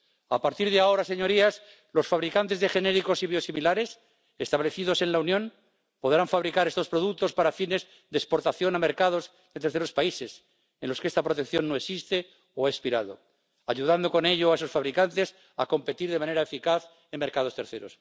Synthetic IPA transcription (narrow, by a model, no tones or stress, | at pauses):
apaɾt̪iɾðeao̞ɾaseɲo̞ɾias | lo̞sfaβɾikant̪e̞zðexe̞ne̞ɾiko̞siβjo̞similaɾe̞s | est̪aβle̞θiðo̞se̞nlaunjõ̞n | po̞ðɾaɱfaβɾikaɾe̞st̪o̞spɾo̞ðuk̚t̪o̞spaɾafine̞z | ðespoɾt̪aθjo̞name̞ɾkað̞o̞z | ðet̪e̞ɾθeɾo̞spaise̞s | enlo̞skeest̪apɾot̪ekθjo̞nːoesist̪e | oaespiɾaðo̞̰ | aʎuðand̪o̞ko̞ne̞ʎoaes̬o̞sfaβɾikant̪e̞s | a̰ko̞mpet̪iɾð̞e̞mãne̞ɾaefikaθ | emːeɾkað̞o̞st̪e̞ɾθe̞ɾo̞̰s